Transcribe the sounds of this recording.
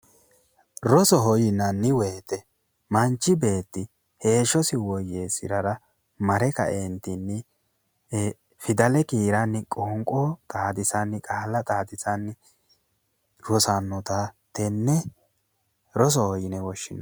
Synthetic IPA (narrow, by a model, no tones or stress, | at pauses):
ɾɔsɔɦɔjɪnɐnːɪweːt̪ɛ | mɐnt͡ʃːɪbe̞ːt̪ːɪ | he̞ːʃɔsɪwɔjeːsɪ̰ɾɐɾɐ | mɐɾɛkɐ̰ʔent̪inːɪ | fɪd̪ɐlɛkiːɾɐnːɪkʼoːŋkʼɔt̪ʼaːd̪ɪsɐnːɪkʼaːlːɐt̪ʼaːd̪ɪsɐnː | ɾɔsanːɔt̪a | t̪ɛnːɛ | ɾɔs̬ɔhɔjɪnɛwɔʃːɪnːɐ